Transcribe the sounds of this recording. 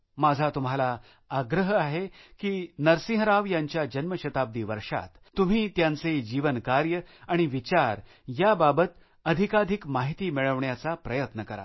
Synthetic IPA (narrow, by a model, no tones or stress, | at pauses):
mad͡zʱat̪um̤ala | aɡɾəɦaɦekiːnəɾsĩɦɾaʋjaɲt͡ɕjad͡ʑənməɕət̪ab̚d̪iːʋəɾʂa̰t̪ | t̪ːum̤iːt̪jant͡sed͡ʑiʋənkaɾjəaɽ̃iʋit͡ɕaɾ | jababət̪ | əd̪ʱikad̪ʱikmaɦit̪iːmiɭəʋɳjat͡sapɾəjət̪nəkəɾa̰